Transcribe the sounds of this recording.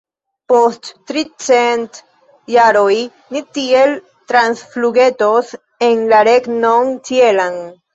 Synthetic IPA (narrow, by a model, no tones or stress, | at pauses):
post̪t̪ɾit͡sent̪ | jaɾoi | nit̪iel | t̪ɾansfluɣet̪os | enlaɾeknoŋt͡ʃjelaŋ